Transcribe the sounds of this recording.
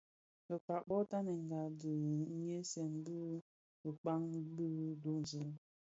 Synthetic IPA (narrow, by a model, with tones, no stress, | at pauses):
ə˨ka˨ɓɔ˦ta˦ne˨ŋ̩˨ɡa˨də˨ŋ̩˦je˦sɛ˨n̩˦bu˦ | ə˨k͡pa˦ŋ˦bɨ˦du˨˦˨zi˦